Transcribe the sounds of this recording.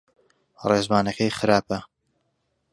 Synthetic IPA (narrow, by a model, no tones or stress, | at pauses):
reːzbaːnɐkɐjχɨɾaːpɐ